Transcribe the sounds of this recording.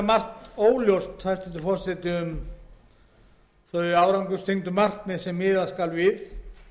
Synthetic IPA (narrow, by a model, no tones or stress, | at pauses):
mar̥t̪oːwljowst̪hajst̪ɛnt̪ʏfɔr̥sɛt̪ɪʏm | θœaːwɾawŋkʏst̪ʰejŋt̪ʏmar̥k̪nɪðsɛmːɪːðaskalvɪθ